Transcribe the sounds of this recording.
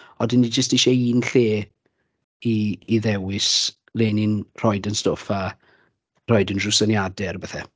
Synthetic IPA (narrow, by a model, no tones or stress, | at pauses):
ɔdənːid͡ʒəsteʃaiːnɬeː | iːðɛwɪs | leːnɪnr̥ɔɨdənstofa | rɔɨdənrʊsənjadɛrbəθɛ